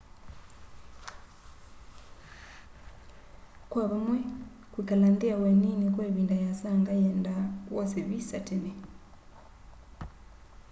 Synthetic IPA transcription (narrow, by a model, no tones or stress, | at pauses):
kwaβamwɛ | kwikalandiawɛninekweβindajasaŋɡajɛndawʔɔsɛβisatene